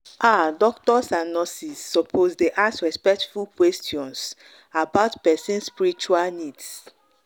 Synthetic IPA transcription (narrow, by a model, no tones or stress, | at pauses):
ʔadɔk̚tɔsãnːɔsisːɔpʰozdeʔasɹɛspɛk̚tfulkwɛstʰiɔ̃ns | abaʊtpɛsĩnspiɹit͡ʃualnids